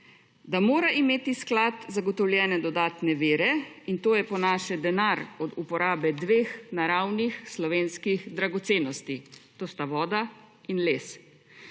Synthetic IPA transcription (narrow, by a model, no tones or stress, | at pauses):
d̪amoːɾaʔimeːt̪isklat̪zaɡɔt̪ɔwljɛːnɛd̪ɔd̪aːt̪nɛʋeːɾɛint̪oːjɛpɔnaːʃɛd̪ɛnaɾɔd̪upɔɾaːbɛd̪ʋeːxnaɾawnixslɔʋeːnskixd̪ɾaɡɔt̪seːnɔst̪it̪oːst̪aʋɔːd̪a | inleːs